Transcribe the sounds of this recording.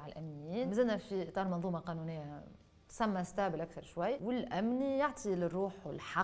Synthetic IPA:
ʕalʔæmnɪjːiːnmzɪlnːæfiʔɪt̪ˤɑːɾˤmɑnðˤuːmɑqɑːnuːnɪjːa | t̪sæmːæst̪aʕbɪlʔakθɑɾˤʃwajːwɪlʔæmnijaʕt̪ʰˤilɪrːuːħwɪ̰lħɑ

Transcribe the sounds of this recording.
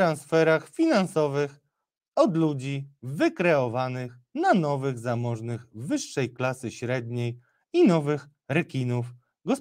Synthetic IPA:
ɾansfɛɾaxfʲinansɔvɘx | ɔd̪lud͡ʑivɘkɾɛɔvanɘx | nanɔvɘɣzamɔʐnɘɣvɘʂːɛjklasɘɕɾɛd̪̚ɲej | inɔvɘx | ɾɛkʲinuf | ɡɔs

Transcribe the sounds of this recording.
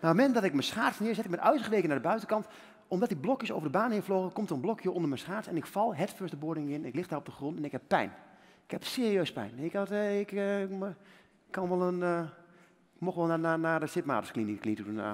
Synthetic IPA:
marmɛndɔtɪkmənsχaːsnɪəzɛtɪk̚mɛtœɥsəχəʋejkənadəbœɥtəkɑnt | ɔmdɔtiblɔkjəso̰ːvərdəbaːnhɪfloɣəkomtəənblɔkʰjoondəɹmɛnsχaːsɛnɪkfɑlˠɦɛtføsdəboədɪŋɪnɛnɪklɪxdarɔb̚dəxrɔntɛnɪkhɛppːɛ̰jnɪkhɛpseːəriøɥspɛ̰jnɪktɪk | kʰːɑnʋɔlˠən | kmoxʋlˠnanaːdəsɪpma̰ːtəsklinklitudun̰

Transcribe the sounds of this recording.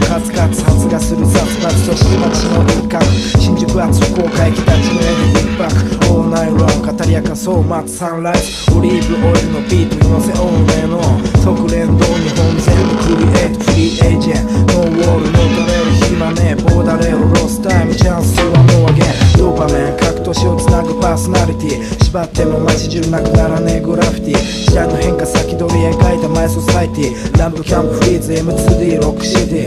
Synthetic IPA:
kat͡sɨ̥kat͡sɨ̥hat͡sɨɡasɨɾɯsat͡sɨ̥kat͡sɨ̥soɕi̥t̪emat̪ḁsinoɾɯkaɕĩɲd͡ʒɨkɯ̟at͡sɨokoːkaikʲit̪at͡ɕi̥koɾed̪ikpakɯ̥oːnaĩɾõkat̪aɾʲiakasoːmat͡ssãɾais | oɾʲiːbɯʔoiɾɯnopʲiːt̪ɯinoseʔõnːẽnosokɯ̟ɾẽ̞nd̪oːɲiɦõnzẽɡɯkɯɾʲiʔet̪osɯɾʲiːʔeid͡ʒẽnowoːɾɯnod̪aɾesʲimanepoːd̪aɾeɾo̞sɨ̥t̪amɯt͡ɕãnsɯβamoaɡẽnd̪oːpamẽŋkʰakɯ̟̥t̪o̞ɕio̞t͡sɨnaɡɯ̟paso̞naɾʲit̪ʲi | ɕibat̪ːemomat͡ɕid͡ʑɨnakɯ̟naɾaneɡɯɾaɸɯ̥t̪i | ɕit̪anohẽ̞ŋkasakʲid̪o̞ɾʲiekait̪amaiso̞sait̪ʲinãmpɯkʲãmpɸɯɾiːzɨe̞mɯ̟t͡sɨːd̪iːɾo̞kɯ̟̥ɕid̪i

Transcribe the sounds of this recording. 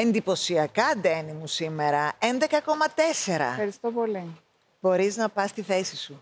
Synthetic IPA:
e̞nd̪ipo̞siɐkɐd̪enimusime̞ɾɐend̪e̞kɐko̞mɐt̪e̞se̞ɾɐ̰xɐɾist̪opoli | b̥o̞ɾiznɐpɐst̪iθe̞sisu

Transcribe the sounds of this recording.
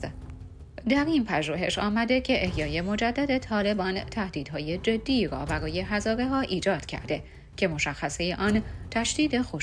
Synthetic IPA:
d̪æɾinpʰæʒuːɦe̞̰ʃɒːmæd̪e̞cʰe̞ʔehjɒːje̞mo̞d͡ʒæd̪ːæd̪e̞t̪ʰɒːle̞bɒːnt̪ʰæhd̪̥iːd̪ɦɒːje̞d͡ʒe̞d̪ːiːɾɒ̰ːbæɾɒːje̞ɦæzɒːɾe̞ɦɒːʔiːd͡ʒɒːd̪̥cʰæ̰ɾd̪e̞ | cʰe̞mo̞ʃæxːæsejeʔɒːnt̪ʰæʃd̪iːd̪e̞xoʃ

